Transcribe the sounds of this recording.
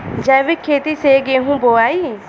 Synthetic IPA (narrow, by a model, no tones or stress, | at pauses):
d͡ʒɛːʋikʰeːt̪iːseːɡeːɦũːboːaːiː